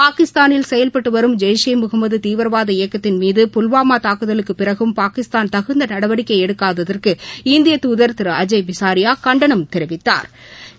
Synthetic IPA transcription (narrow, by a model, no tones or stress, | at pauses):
paːkɪst̪aːnɪlsɛjɐlpɐʈːɯʋɐɾɯmd͡ʒɛjʂɐɪmʊɣɐmɐðɯt̪iːʋɐɾʋaːðɐɪjɐkːɐt̪ːɪnmiːðɯpʊlʋaːmaːt̪aːkɯðɐlɯkːɯpːɪrɐɣɯmpaːkɪst̪aːnt̪ɐɣɯnd̪ɐnɐɽɐʋɐɽɪkːɐɪɛɽɯkːaːðɐðɐrkɯɪnd̪ɪjɐt̪uːðɐɾt̪ɪɾɐɐd͡ʒɐɪbɪsaːɾɪjaːkɐɳɖɐɳɐmt̪ɛɾɪʋɪt̪ːa̰ːɾ